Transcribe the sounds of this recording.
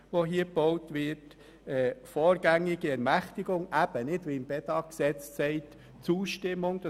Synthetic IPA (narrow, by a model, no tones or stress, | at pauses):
ʋoɦiːəb̥ɔʊtʋɪt | ɛːfɔːɾɡ̥æŋːɪɡ̥iɛɾmæχtɪɡʊŋʔæb̥ənɪdʋiɪmb̥ɛdɑksɛt͡ssɛɪt | t͡suːʃtɪmʊŋd̥ɑ